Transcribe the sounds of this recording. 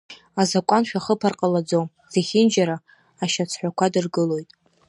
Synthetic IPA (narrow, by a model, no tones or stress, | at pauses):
azakʷʼanʃᶣaχəpʰarqʼalad͡zowm | z̥eχʲɪnd͡ʒaɾaː | ʃat͡sʰħʷakʷʰadɨrɡɨlo̞jtʼ